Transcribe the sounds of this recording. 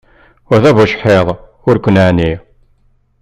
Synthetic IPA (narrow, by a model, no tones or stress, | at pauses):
æðævuʃħeðˤ | ʊɾkʷːənani